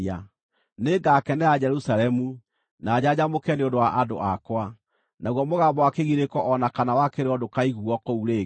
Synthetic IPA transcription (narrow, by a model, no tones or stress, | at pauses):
a | neɡakɛnɛad͡ʑɛɾusalɛmu | naːd͡ʑad͡ʑamokɛneodowaʔado̰ʔakwa | naɣwɔmoɣaːmbɔwakeɣiɾekɔʔɔnakanawakeɾeɔdokaiɣuɔkouɾe